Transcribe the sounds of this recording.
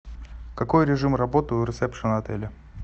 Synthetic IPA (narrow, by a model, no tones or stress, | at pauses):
kɐko̞jɾʲɪʐɨmrɐbot̪əʊɾʲɪsɛpʂɨnɐt̪ɛlʲɪ